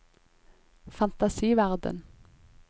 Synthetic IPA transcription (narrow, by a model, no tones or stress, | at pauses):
fɑnt̪ɑsiːʋæʁd̪ə̰n